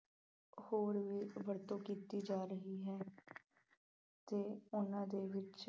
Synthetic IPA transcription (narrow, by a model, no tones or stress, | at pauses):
hoːɾʋiːbəɾt̪õːkiːt̪iːd͡ʒaːɾəɦiːɦɛː | t̪eːʊnãːd̪eːʋɪt͡ʃ